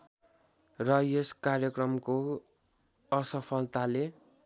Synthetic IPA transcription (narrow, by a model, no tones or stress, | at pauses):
rʌjeskarjʌkrʌmko | ʌsʌpʰʌlt̪ale